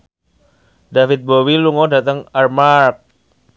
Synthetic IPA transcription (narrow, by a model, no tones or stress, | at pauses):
dafit̪̚bowiluŋɔdat̪əŋarmark̚